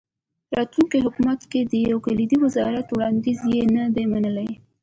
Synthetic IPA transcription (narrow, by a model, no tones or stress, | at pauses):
ɾɑt̪lunkiɦʊkumat̪ked̪əjawkalid̪iwɪzɑ̰ɾat̪wɽɑnd̪izjenad̪emanəlaj